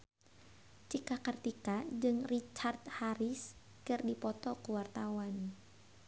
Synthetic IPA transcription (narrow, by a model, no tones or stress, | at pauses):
t͡ʃikakərt̪ikad͡ʒɨŋrit͡ʃart̪̚haɾɪs | kɨrdipɔt̪ɔkəwart̪awan